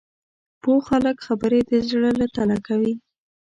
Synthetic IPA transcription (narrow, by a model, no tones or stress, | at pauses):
poxaləkxabəɾed̪əzɽəlat̪alakawi